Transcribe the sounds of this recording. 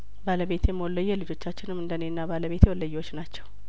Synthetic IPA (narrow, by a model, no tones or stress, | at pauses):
baləβe̞t̪jɛmːəwɔlːəjːɛlɨd͡ʒo̞t͡ʃːat͡ʃːɪnɨmːɨnd̪ənenːabaləβe̞t̪jɛwɔlːəjːɛwot͡ʃːnat͡ʃːɛw